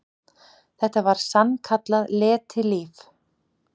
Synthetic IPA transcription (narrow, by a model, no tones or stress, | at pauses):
θɛht̪ːavaɾ̥sankʰat̪laðlɛːt̪ʰɪliːf